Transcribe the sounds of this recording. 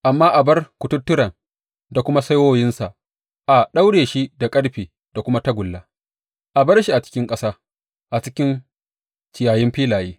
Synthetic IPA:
ʔa˨mːaː˦ʔa˨bɐ˦rkʷʊ˨tʊ˦tːʊ˦ɾɐ˨n | da˨kʷʊ˦ma˦sa˦jwoː˦jɪ˦nsa˨ʔ | ʔa˨ɗa˦wɽeː˨ʃi˦da˨kʼɐ˦ɽɸiː˨ | d̥a˨kʷʊ˦ma˦ta˦ɡʷʊ˨lːa˦ | ʔa˨bɐ˦rʃi˨ʔa˨t͡ʃɪ̥˦kʲɪ˦ŋkʼɐ˦saː˦ | ʔa˨t͡ʃɪ˦kʲɪ˦n | t͡ʃɪ˨jaː˨jɪ˦mɸiː˦laː˨jiː˦

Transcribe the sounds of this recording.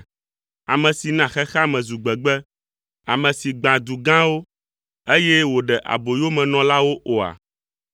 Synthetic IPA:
a̰˨mɛ̃˨si˨nã˨xɛ˦xa˦mɛ̃˨zu˨ɡ͡bɛ˨ɡ͡bɛ˦ | a˨mɛ̃˨si˨ɡ͡bã˨d̪u˨ɡã˦wo˦ | e˦jɛ˦wo˨ɖɛ˨ʔa̰˨bo˨jo˦mɛ̃˨nɔ̃˨la˦wo˦ʔo˨a̰˨

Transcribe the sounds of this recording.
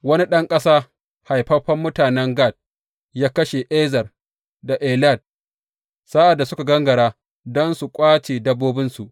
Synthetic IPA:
wɐ˦ni˦ɗɐ˦ŋkʼɐ˦saː˦ | ha˨jɸɐ˦ɸɐ˦mːʊ˦taː˨nɛ˦ŋɡa˦˨d̚ | jaː˦kɐ˦ʃe˨ʔeː˦zɐ˨r | da˨ʔeː˨la˦˨d̚ | sa˦ʔa˨dːa˨sʊ˦ka˨ɡɐ˦ŋɡɐ˨ɽaː˦ | dɔ˦nsu˨kʷʼaː˦t͡ʃeː˨dɐ˦bːoː˦bɪ˦nsu˨ʔ

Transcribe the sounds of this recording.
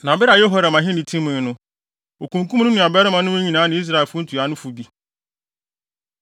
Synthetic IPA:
nã˨bɪ˦ɾa˨jɛ˦ɦɔ˦ɾa˨mã˨ɦɪ̃˦nĩ˨tʰĩ˦mɪ̃˨˦nʊ̃˦ | o˨kʰũ˨ŋ̩˨kũ˦mnʊ̃˦nʊ̃˨a˨bɛ˦ɾɪ˦mã˨nʊ̃˦e˦ɲĩ˨nãː˨˦nɪ̃˨˦i˦s̬ɾa˦˨ɛ˨lfʊ˦n̩˦tʰu˨a˦nʊ̃˦fʊ˨bi˦

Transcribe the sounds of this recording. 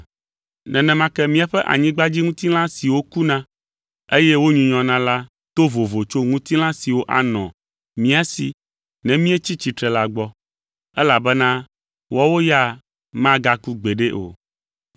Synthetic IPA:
nɛ̃˨nɛ̃˨mã˦kɛ˦mĩ˦a˨ɸɛ˦ʔa̰˨ɲĩ˦ɡ͡ba˦d͡ʑi˦ŋũ˦t̪i˦l̃ã˦si˨wo˦ku˦nã˦ | e˦jɛ˦wo˦ɲũ˨˦ɲɔ̃˨nã˦la˦ | t̪o˦vo˨vo˨t͡ʃo˦ŋũ˦t̪i˦l̃ã˦si˨wo˦ʔa̰˨nɔ̰̃˨ | mĩ˦a˦sḭ˨ | nɛ̃˨mĩ˦ɛ˦t͡ɕi˦t͡ɕi˨t̪ɾɛ˨la˦ɡ͡bɔ˦ | ɛ˦la˨bɛ˦nã˦ | wɔ˦wo˦ja˦˨ | mã˦ɡa˦ku˦ɡ͡be˨ɖe˦ʔo̰˨

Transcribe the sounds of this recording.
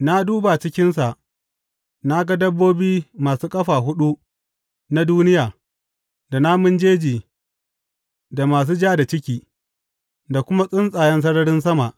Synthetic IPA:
na˦duː˦ba˨t͡ʃɪ˦kʲɪ˦nsa˨ʔ | na˦ɡa˦dɐ˦bːoː˦biː˦maː˨suː˦kʼɐ˦ɸaː˨ɦʊ˦ɗu˦ | na˦duː˦nɪ˦jaː˨ | da˨na˦mʊ˦nd͡ʒeː˦d͡ʒiː˨ | da˨maː˨s̬uː˦d͡ʒaː˦da˨t͡ʃɪ˦kʲiː˨ | da˨kʷʊ˦ma˦sʼɪ˦nsʼaː˨jɛ˦ns̬ɐ˦ɽɐ˦ɽɪ˦nsɐ˦ma˨ʔ

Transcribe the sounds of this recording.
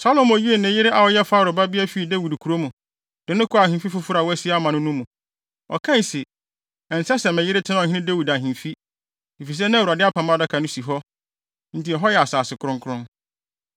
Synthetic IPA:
sa˦lo˨mɔ˨ji˦e˨nɪ̃˨˦jɪ˦ɾɪ˦ʔa˨wɔ˨˦jɛ˦faː˦˨ɾʊ˨ba˦bi˦a˦fi˦i˨de˦wi˨dkʰu˨ɾo˦mũ˨ | d̥ɪ˨˦nʊ̃˦kʰʊ˦a˨ɦĩ˨fi˦fʊ˦fʊ˦ɾa˨wɔ˦æ˦si˦a˦mã˨nʊ̃˦nũ˦mũ˨ | ɔ̰˨kʰã˦˨sɪ˨ | ɛ˨n̩˨sɛ˦sɛ̃˨mɛ̃˨jɪ˦ɾɪ˦tʰɪ˦ã˦˨hɪ̃˦ɪ̃˦de˦wi˨da˨ɦĩ˨fi˦ | di˨fi˨s̬ɛ˦nã˦˨wu˨ɾa˨dɪ˦a˦pʰã˨ma˦˨da˦kʰã˨nʊ̃˦si˨ɦɔ˦ | n̩˦ti˨ɛ˨ɦɔ˦jɛ˨a˨saː˨sɪ˨kʰʊ˦ɾʊ̃˦ŋkʰʊ˦ɾʊ̃˦

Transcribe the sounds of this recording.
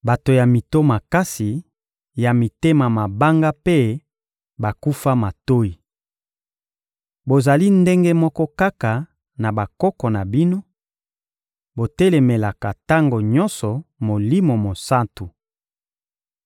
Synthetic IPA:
ba˨to˨ja˨mi˨to˦ma˨ka˦si˨ | ja˨mi˨te˦ma˨ma˨ba˦ŋɡa˦pe˦ | ba˨ku˦fa˦ma˨to˦i˨ | bo˨za˨li˦nde˦ŋɡe˦mɔ˦kɔ˦ka˦ka˨ | na˨ba˨kɔ˦kɔ˨na˨bi˦no˦ | bo˨te˦le˨me˨la˨ka˨ta˦ŋɡo˨ɲɔ̃˦nsɔ˨mo˨li˦mo˨mo˨sa˦ntu˨

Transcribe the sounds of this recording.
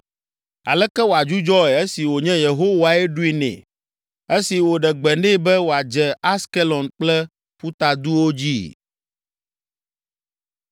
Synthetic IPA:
a̰˨lɛ˦kɛ˦wo˨a˨d͡ʒu˦d͡ʒɔ˦ɛ˨e˦si˨wo˨ɲɛ̃˦je˨ɦo˦wa˨ɛ˦ɖu˦i˦˨nɛ̰̃˨ | e˦si˨wo˨ɖɛ˨ɡ͡bɛ˨nɖɛ̃˦bɛ˦wo˨a˨d͡ʒɛ˦a˦ske˦lɔ˨nk͡plɛ˦ | ɸu˦t̪a˨d̪u˦wo˦d͡ʑi˦

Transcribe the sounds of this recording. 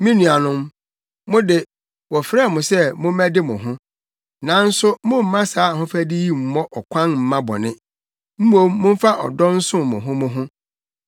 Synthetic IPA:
mĩ˦nũ˨a˨nʊ̃˦m | mʊ̃˦dɪ˦ | wɔ˨fɾɛ˦˨mʊ̃˨sɛ˦mʊ̃˦mæ̃˦dɪ˦mʊ̰̃˨ɦʊ̃˦ | nã˨n̩˦sʊ˦mʊ̃˦m̩˨mã˦saː˨˦˨hʊ̃˦fæ˦dɪ˦ji˦m̩˨mɔ̃˦ʔɔ˨kʷʰã˦nm̩˨mã˦bɔ̰˨nɪ̃˦ | m̩˦mõ˦mːʊ̃˦m̩˦fa˦ʔɔ̰˨dɔ˦n̩˦sʊ̃˦mʊ̃˨ɦʊ̃˦mʊ̃˦ɦʊ̃˦

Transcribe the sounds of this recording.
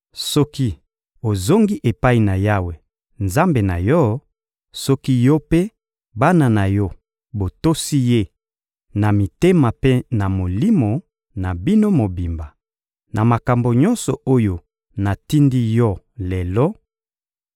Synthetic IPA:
sɔ˦ki˦ | o˨zo˦ŋɡi˦ʔe˨pa˦i˨na˨ja˦we˨ | nza˦mbe˨na˨jɔ˦ | sɔ˦ki˦jɔ˦pe˦ | ba˦na˨na˨jɔ˦ | bo˨to˦si˦je˦ | na˨mi˨te˦ma˨pe˦na˨mo˨li˦mo˨ | na˨bi˦no˦mo˨bi˨mba˨ | na˨ma˨ka˨mbo˨ɲɔ˦nsɔ˨o˦jo˨ | na˨ti˦ndi˦jɔ˦ | lɛ˨lɔ˦

